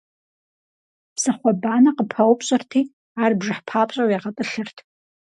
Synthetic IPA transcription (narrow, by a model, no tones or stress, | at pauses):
psɨχʷabaːnɐqəpʰɐwpʰʼɕʼɐrtʰiː | aːrbʐɨħpʰaːpʼɕʼɐwjaʁɐtʼɨɬɨrtʰ